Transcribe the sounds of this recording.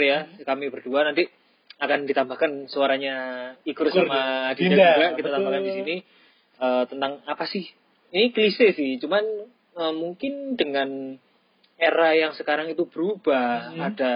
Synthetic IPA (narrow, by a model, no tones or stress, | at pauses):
jakamibərduanant̪i | akandit̪ambahkansəaɾaɲaikʊrsamadidakitat̪abakandisini | əːt̪ənt̪aŋapasɪh | iniklisɪsɪht͡ʃuman | əmuŋkɪndəŋan | eɾajaŋsəkaɾaŋit̪ub̥əɾub̥aada